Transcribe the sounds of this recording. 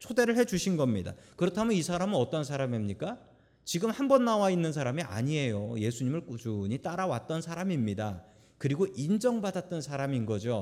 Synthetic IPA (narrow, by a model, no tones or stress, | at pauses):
t͡ɕʰode̞ɾɯɭɦe̞d͡ʑuɕʰinɡʌmɲida̰kɯɾʌtʰamjʌnisʰaɾamɯnʌt͈ʌnsʰaɾamimɲik͈a | t͡ɕiɡɯmhambʌnːawainːɯnsʰaɾamiʔa̰ɲie̞joje̞sʰuɲimɯɭkt͡ɕuɲit͈aɾawat͈ʌnsʰaɾamimɲida | kɯɾiɡoʔind͡ʑʌŋbadat̚t͈ʌnsʰaɾaminɡʌd͡ʑo